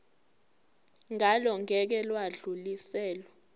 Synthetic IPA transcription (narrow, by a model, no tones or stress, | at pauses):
ŋʱalɔŋɛk̬ɛlwaɮulisɛːlɔ